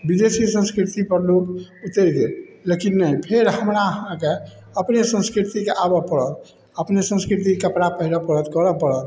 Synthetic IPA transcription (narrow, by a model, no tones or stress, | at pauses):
bid̪esisə̃nskɾit̪ipəɾloket̪eɾɡ̪elekinːəjpʰeɾɦəmɾaəɦãke | əpnesə̃skɾit̪ikeʔabəpəɾət̪ | əpnesə̃nskɾit̪̬ikekəpɾapəɦiɾəpəɾət̪kəɾəpəɾət̪